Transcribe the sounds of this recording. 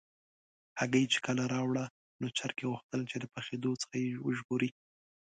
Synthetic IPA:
haɡajet͡ʃe̥kəlaɾɑwɽa | not͡ʃaɾkeɣuxt̪əlt͡ʃed̪əpaxed̪ot͡sə̥xajewʊʒboɾi

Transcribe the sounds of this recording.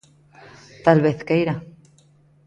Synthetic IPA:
t̪alβe̞θkejɾa

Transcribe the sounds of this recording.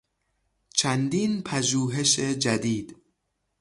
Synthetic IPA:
t͡ʃʰænd̪iːnpʰæʒuːɦe̞ʃed͡ʒæd̪iːd̪̥

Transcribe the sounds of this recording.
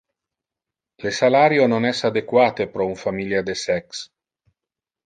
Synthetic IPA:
lesalaɾjononɛsad̪ekwaːt̪epɾɔuɱfamiljad̪esɛks

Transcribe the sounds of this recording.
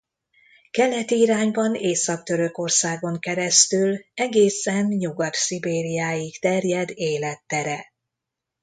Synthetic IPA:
kɛlɛt̪iːɾaːɲbɒneːsɒk̚t̪ø̞ɾø̞ko̞rsaːɡo̞ŋkɛɾɛst̪ylɛɡeːsɛnjuɡɒt̪sibeːɾijaːjikt̪ɛrjɛd̪eːlɛt̪ːɛɾɛ

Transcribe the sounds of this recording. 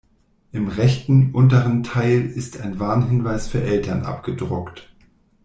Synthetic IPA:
ʔɪmʁɛçtn̩ʔʊntəʁ̞əntʰaɪlɪstaɪnvaːɐnɦɪnvaɪsfyːɐʔɛltɐnʔa̰pɡ̥ədʁʊkt

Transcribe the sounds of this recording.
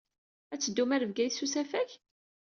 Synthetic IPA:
æt͡sːəd̪ːumæɾəvɡæjsːusæfæç

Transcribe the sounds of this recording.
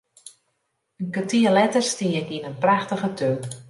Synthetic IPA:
ənkətiəlɛtərstiəkinənpraxtəɣətʰøː

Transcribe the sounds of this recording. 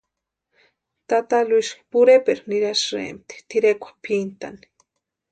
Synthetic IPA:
t̪at̪aluiʃpuɾepeɾniɾasɾḛmt̪i̥t̪iɾekʷḁpʰint̪a̰ni̥

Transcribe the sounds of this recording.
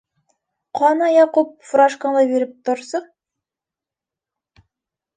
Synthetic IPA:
qʰɑnɑjɑqup̚fʊɾɑʃkɑnlˠɑbeɾɪp̚t̪ʰʊɾsə

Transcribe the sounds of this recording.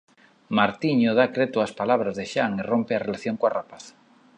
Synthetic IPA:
maɾt̪iɲoð̞akɾet̪oaspalaβ̞ɾazðeʃaŋerompearelaθjoŋkoarapaθ

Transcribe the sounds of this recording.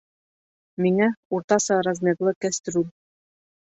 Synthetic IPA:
miŋæuɾt̪ɑsɤɾɑzmʲeklˠɤkæst̪ɾun

